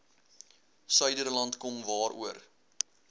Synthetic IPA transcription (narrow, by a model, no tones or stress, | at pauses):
sœɥdərlɐntkɔmvɑːɾʔṵər